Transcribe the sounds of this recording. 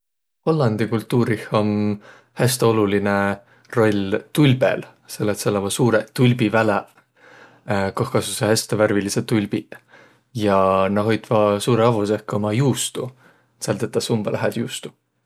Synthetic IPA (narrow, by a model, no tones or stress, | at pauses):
ho̞lːɑnd̪̥ikult̪ːˑuːɾiho̞n | hæst̪eo̞luline | ro̞lʲt̪ulʲb̥ḛl | selːet̪selːɑvɑsuːɾet̪ulʲbivæle | kohkɑsusehæst̪eværviliset̪ulʲb̥i | jɑnɑɦo̞jd̪̥vɑsuːɾeɑvusehkːo̞mɑjuːst̪u | sɑlt̪et̪ːˑɑsumb̥ɑlæɦed̪̥juːst̪u̥